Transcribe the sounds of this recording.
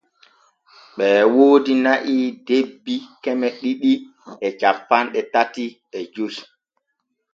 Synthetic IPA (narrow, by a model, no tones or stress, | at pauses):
ɓɛːwoːdinaʔidebːikɛmɛɗiɗi | ʔɛt͡ʃafpːanɗɛtatiɓɛd͡ʒus